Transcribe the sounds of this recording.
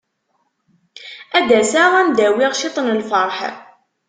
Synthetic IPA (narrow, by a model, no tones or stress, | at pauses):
æd̪æsaʁænd̪æwiʁʃit̪ˤənəlfɑɾˤħ